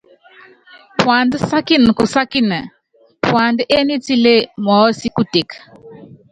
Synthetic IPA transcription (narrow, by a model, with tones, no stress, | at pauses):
pwa˨ndə˦sa˦ki˦n˨ku˨sa˦ki˦nə˨ | pwa˨nde˦ni˦t͡si˦le˦mɔ˨˦si˦ku˦te˨k